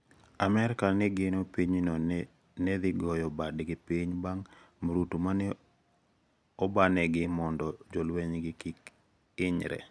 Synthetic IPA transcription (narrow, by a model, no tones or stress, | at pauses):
amɛɾkanɛɡɪnopiɲino | nɛd̪ɪɡɔjɔbadɡɪpiɲbaŋ | mɾutumanɛ | ɔbanɛɡɪmɔndɔd͡ʒolweɲɡɪkik | ɪɲɾɛ̰